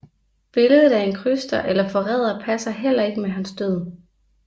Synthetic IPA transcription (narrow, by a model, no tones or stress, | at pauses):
b̥e̝ləð̞ˠð̩ˠæɐe̝nkʰʁysd̥ɐʔelɐfɒ̽ʁɛːð̞̰ˠɐpʰæsɐɦel̰ɐe̝ɡ̥əmeɦænsd̥øð̞̰ˠ